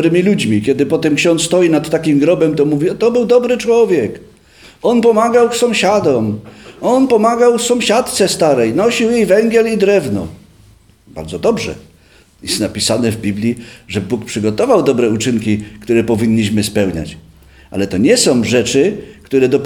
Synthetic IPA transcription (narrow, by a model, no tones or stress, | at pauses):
ɾɘmʲilud͡ʑmʲikʲɛd̪ɘpɔt̪ɛmkɕɔnsst̪ɔjinat̪ːakʲimɡɾɔbɛmt̪ɔmuvʲiɔt̪ɔbɘwd̪ɔbɾɘt͡ʂwɔvʲjɛk | ɔnpɔmaɡawsɔ̃w̃ɕad̪ɔmɔnpɔmaɡawfsɔ̃w̃ɕat̪t̪sɛst̪aɾɛjnɔɕiwjejvɛŋɡʲjɛlid̪ɾɛvnɔ̰ | b̥a̰ɾd̪zɔd̪ɔbʐɛ̰ | jɛst̪napʲisanɛvbʲiblʲjiʐɛbuk̚pʂɘɡɔt̪ɔvawd̪ɔbɾɛut͡ʂɘŋkʲikt̪uɾɛpɔvʲiɲːiɕmɘspɛwɲa̰t͡ɕ | ʔa̰lɛt̪ɔɲɛsɔ̃w̃ʐɛt͡ʂɘkt̪uɾɛd̪ɔp